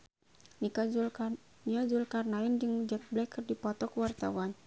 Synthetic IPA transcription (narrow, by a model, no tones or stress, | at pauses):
niad͡ʒulkarnaind͡ʒɨŋd͡ʒɛk̚blɛkrdipɔt̪ɔkwart̪awan